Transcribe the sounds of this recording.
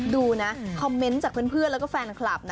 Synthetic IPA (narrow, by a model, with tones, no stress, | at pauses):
duː˧na˦˥ʔkʰɔ˧mːe˦˥nt͡ɕaː˨˩k̚pʰɯ˥˩ə˨npʰɯ˥˩ənlɛ˦wkɔː˥˩fɛː˧nkʰla˨˩p̚na˦